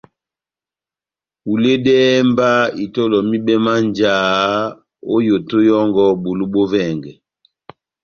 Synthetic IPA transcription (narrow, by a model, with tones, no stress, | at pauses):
u˨le˦dɛː˦mba˦i˨to˦lɔ˨mi˦bɛ˦ma˦nd͡ʒaː˨˦ | o˦jo˨to˦jɔ˦ŋɡɔ˦bo˨lu˦bo˦vɛː˦˨ŋɡɛ˨